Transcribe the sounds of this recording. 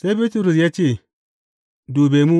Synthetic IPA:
sa˦i˦bi˦tu˦ɾu˨s̬ja˦t͡ʃe˦˨ | du˨be˨mu˦

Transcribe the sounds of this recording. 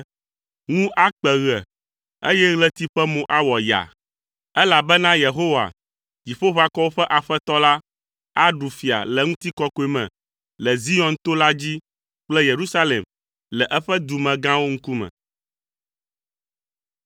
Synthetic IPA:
ŋũ˦ʔa˦k͡pɛ˨ɣɛ˨ | e˦jɛ˦ɣlɛ˦t̪i˦ɸɛ˦mõ˨ʔa˦wɔ˨ja̰˨ | ɛ˦la˨bɛ˦nã˦je˨ɦo˦wa̰˨ | d͡ʑi˨ɸo˦βa˦kɔ˦wo˦ɸɛ˦ʔa˨ɸɛ˦t̪ɔ˦la˦ | a˦ɖu˨fi˨a̰˨lɛ˨ŋũ˦t̪i˦kɔ˦ko˨˦e˨mɛ̰̃˨ | lɛ˨zi˦jɔ̃˨nt̪o˦la˦d͡ʑi˦ | k͡plɛ˦je˨ɾu˦sa˦lḛ˨m | lɛ˨ʔɛ˦ɸɛ˦d̪u˨mɛ̃˨ɡã˦wo˦ŋ̩̃˦ku˦mɛ̰̃˨

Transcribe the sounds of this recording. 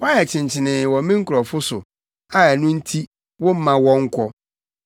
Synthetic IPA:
wa˦ɛ˨t͡ɕʰɪ̃˨ɲ˨t͡ɕʰɪ˨nɪ̃˨wɔ̃˨mĩ˦ŋ̩˦kʰʊ˨ɾɔ˨fʊ˦sʊ̰˨ | a˦ɛ˨nʊ̃˦n̩˦tʰi˦ | wʊ̃˦m̩˦mã˨wɔ̃˦ŋ̩˦kʰɔ˦

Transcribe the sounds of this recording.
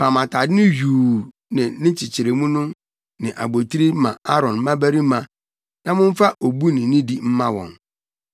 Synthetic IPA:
pʰa˨mã˨tʰa˨dɪ˦nʊ̃˦juː˨ | nɪ̃˨nɪ̃˦t͡ɕʰɪ˨t͡ɕʰɪ˨ɾe˨mũ˦nʊ̃˦ | nɪ̃˨ʔa̰˨bo˨tʰi˦ɾi˦mã̰˨a˦ɾɔ̃˨n˦mã˦bæ˦ɾi˦mã˨ | nã˦mʊ̃˦m̩˦fa˦ʔo˨bu˦nɪ̃˨nĩ˦di˦m̩˦mã˦wɔ̰̃˨n

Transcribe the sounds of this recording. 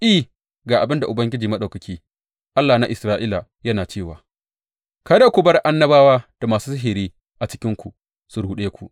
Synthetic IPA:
ʔi˦˨ | ɡaː˨ʔa˨bɪ˦nda˨ʔʊ˨bɐ˦ŋɡʲɪ˦d͡ʒiː˨mɐ˦ɗɐ˨wkɐ˨kʲiː˦ | ʔa˦lːaː˨na˦ʔɪ˨sɾaː˦ʔiː˦la˨jɐ˦naː˨t͡ʃeː˦˨waː˨ | kɐ˦da˦kʷʊ˨bɐ˦rʔa˦nːɐ˦baː˦waː˦d̥a˨maː˨suː˦sɪ˦ɦiː˨ɾiː˦ | ʔa˨t͡ʃɪ̥˦kʲɪ˦ŋkʷu˨ | su˨ɽu˨ɗeː˦kʷu˨ʔ

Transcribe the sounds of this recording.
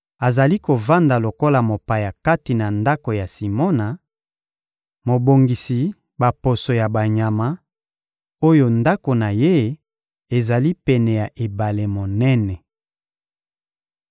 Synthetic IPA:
a˨za˨li˦ko˨va˦nda˨lo˨ko˦la˨mo˨pa˨ja˨ka˦ti˨na˨nda˦ko˨ja˨si˨mo˦na˨ | mo˨bo˨ŋɡi˨si˨ | ba˨po˨so˨ja˨ba˨ɲa˨ma˦ | o˦jo˦nda˦ko˨na˨je˦ | e˨za˨li˦pɛ˨nɛ˨ja˨ʔe˨ba˨le˨mo˨nɛ˦nɛ˨

